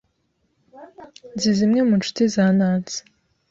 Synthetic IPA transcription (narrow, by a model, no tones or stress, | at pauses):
nzizimŋe̞munt͡ʃu̥tizaːnaːnt͡si̥